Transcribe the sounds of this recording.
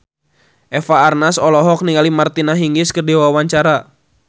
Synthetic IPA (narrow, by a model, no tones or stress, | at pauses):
ʔɛfaːrnasɔlɔɦɔk̚niŋalimart̪inaɦiŋɡɪskədewawaɲt͡ʃaɾa